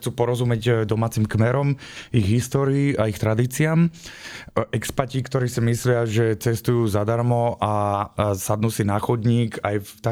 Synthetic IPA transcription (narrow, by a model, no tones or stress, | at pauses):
xt͡suːpɔɾɔzumjɛɟd̪ɔmaːt͡simkmɛɾɔmiɣɦist̪ɔːɾiːaixt̪ɾad̪iːt͡sɪaːm | ʔɛkspacikt̪ɔɾiːsimislɪaʒɛt͡sɛst̪ujuːzad̪aɾmɔʔasad̪nuːsinaxɔd̪ɲiːkajt̪a